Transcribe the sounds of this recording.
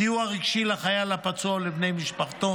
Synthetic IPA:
iuaʁiɡʃilaχajalapat͡sualebnejmiʃpaχt̪o

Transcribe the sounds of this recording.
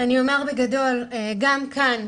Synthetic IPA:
aniomaʁbeɡado̞lɡamkʰan

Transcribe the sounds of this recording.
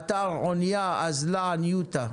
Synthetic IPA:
t̪aonjaazlanjut̪a

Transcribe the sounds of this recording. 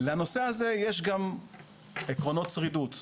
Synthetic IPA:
leano̞se̞haze̞jeʃ̬ɡam | ekʁo̞no̞tsʁidut̪

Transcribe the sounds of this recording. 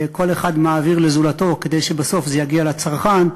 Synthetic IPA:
ko̞le̞χad̪maːviʁlezulat̪o̞ke̞d̪e̞jʃebaso̞fzejaɡialat͡saʁχan

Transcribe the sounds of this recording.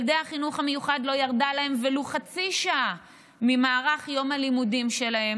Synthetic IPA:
ldehaχinuχame̞juχadlo̞jaʁdalahe̞mveluχat͡siʃaʔa | mimaːʁaχjo̞mhalimudimʃe̞lahe̞m

